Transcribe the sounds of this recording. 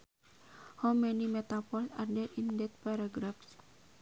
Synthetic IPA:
hawmɛnimet̪apɔlsa̰rdɛʔindɛt̪̚paɾaɡɾafs

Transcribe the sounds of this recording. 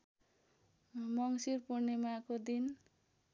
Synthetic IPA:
mʌŋsirpurnemakod̪in

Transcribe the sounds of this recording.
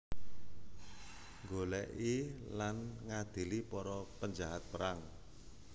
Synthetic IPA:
ŋɡolɛʔilanŋad̪̥i̤lipɔɾɔpəɲd͡ʒaɦat̪̚pəɾaŋ

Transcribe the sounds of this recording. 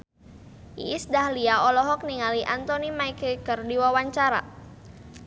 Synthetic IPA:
ḭisdahliaɔlɔɦɔk̚niŋaliʔant̪ɔnimaikəkərdiwawaɲt͡ʃaɾa̰

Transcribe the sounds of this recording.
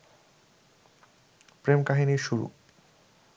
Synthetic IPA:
pɾemkaɦiniɾʃuɾṵ

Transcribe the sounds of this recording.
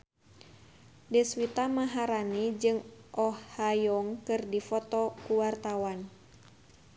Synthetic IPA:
dɛswit̪amaɦaɾanid͡ʒɨŋʔɔhːajɔŋkɨrdifɔt̪ɔkuwart̪awan

